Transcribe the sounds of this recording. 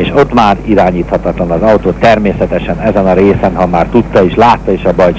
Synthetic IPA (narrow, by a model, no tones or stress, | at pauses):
eːʃo̞t̪maːɾiɾaːɲiːt̪hɒt̪ɒt̪lɒnɒzɒwt̪oːt̪ːɛrmeːsɛt̪ɛʃɛnɛzɛnɒɾeːsɛnɦɒmaːrt̪ut̪ːɒeːʃlaːt̪ːɒeːʃɒbɒj